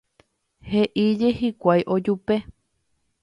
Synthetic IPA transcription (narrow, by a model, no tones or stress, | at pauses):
heʔid͡ʒe̞hikʷajʔo̞d͡ʒupe̞